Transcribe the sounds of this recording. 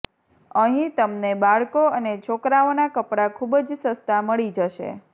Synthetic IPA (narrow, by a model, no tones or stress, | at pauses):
əɦĩt̪əmnebaɭkoənet͡ʃʰokɾaonakəpɽakʰubd͡ʒsəst̪aməɭid͡ʒəʃḛ